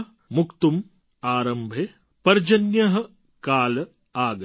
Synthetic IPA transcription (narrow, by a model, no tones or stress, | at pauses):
mukt̪um | aːɾɐmbʱe | pɐɾd͡ʒɐnjɐɦɐ̆ | kaːlɐ | aːɡ